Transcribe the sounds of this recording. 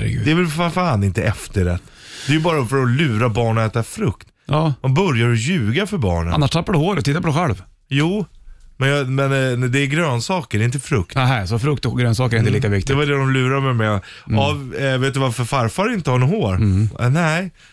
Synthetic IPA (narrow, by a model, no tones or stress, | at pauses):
ɾ̰ɡʉ̰ːd̪ɛvɛlfafaːnɪnt̪əɛft̪əɾɛt̪ː | d̪̥ɛæjʉbɑːɾafœɾɔlʉ̟ːɾabɑːɳəɛːt̪afɾɵkt̪ | ɑmɛnbœɾjaɾɔjʉ̟ːɡafœɾbɑ̰ːɳəa̰nːaʂt̪ʰapːadɵhoːɾɛt̪ʰɪt̪ːapɔd̪ɛɧɛlv | juːmɛnjɑmɛnd̪ɛːɡɾøːnsɑːkəɖɛɪnt̪̬əfɾɵkt̪naɦɛsɔfɾɵk̚t̪ɔɡɾøːnsɑːkəɾɛɪnt̪əliːkavɪkt̪d̪ɪɛvadɛd̪ɔmlʉ̟ːɾaəmɛmɛɔ | avveːt̪d̪ɵvaɾfœɾfaɾfaɾɪnt̪əhanɔɦoːɾnɛj